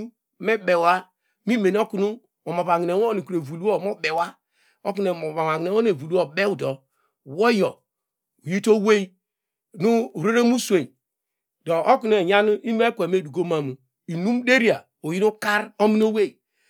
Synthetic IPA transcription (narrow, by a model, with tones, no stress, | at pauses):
me˦be˨wa˦ | mi˦me˨n˦o˦ku˦nu˦ | o˨mo˨βa˨ŋi˨e˨˦o˦i˨ku˨ɾe˨vu˨lu˦o˦˨mo˦be˨wa˦ | o˦k̬u˦ne˨mo˨βa˨wa˨ŋi˨ne˨˦o˦ne˨vu˨lu˦o˨be˦u˨do˨ | wo˦jo˨ | o˨ji˦to˦we˦i˦ | nu˦˨ɾe˦ɾe˦mu˦sʷe˨n | do˨ʔo˦ku˦ne˨ɲa˦nu˦i˦m˦e˦kʷe˨me˦˨du˨ɡo˦ma˨mu˨ | i˨nu˦m˦de˦ɾi˦a˨ | o˨ji˦nu˦ka˦ɾo˦mi˦n˦o˦we˦˨